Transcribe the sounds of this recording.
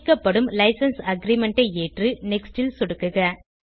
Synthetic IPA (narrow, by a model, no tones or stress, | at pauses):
kːɐpːɐɽɯmlɐɪsɐnsɐɡɾimɛɳʈɐɪeːʈrɯnɛksʈɪlsʊɽɯkːɯɣɐ